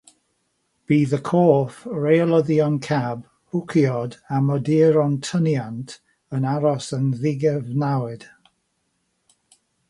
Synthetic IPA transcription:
b̥iːðəkʰɔːfrelˠəðiɔnkʰab | b̥ʊkʰjɔdamɔdiɾɔntʰənjantʰ | ənaɾɔsənðɪɡɛvnawɪd̥

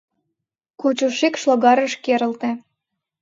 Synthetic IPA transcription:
kot͡ɕoʃikʃloɣɑɾə̆ʃkeɾə̆lt̪ĕ

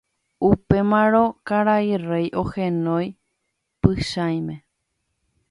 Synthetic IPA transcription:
upe̞mãɾõ̞kaɾairejʔo̞hẽnõj | pɨʃaj̃mẽ

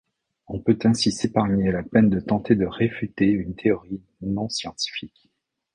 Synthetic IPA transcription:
ɔ̃pøt̪ɛ̃sisepaʁɲealapɛnd̪ət̪ɑ̃t̪ed̪əʁefyt̪eynt̪ʰeɔʁi | nɔ̃sjɑ̃t̪i̥fik

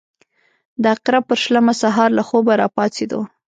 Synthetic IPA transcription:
d̪əaqɾab̚pəɾʃlamasaɦɑɾlaxobaɾɑpɑt͡sed̪o̰

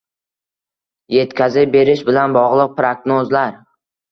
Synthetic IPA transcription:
je̞t̪kʲʰazɪp̚be̞ɾɪʃbɪlanbɒʁlˠɨq̚pɾaɡnozlaɾ

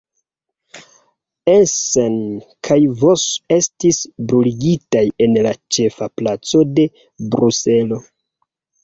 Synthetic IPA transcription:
esenkʰajvose̞stisbɾuliɡitaje̞nlat͡ʃe̞faplat͡so̞de̞ | bɾuse̞lo̞

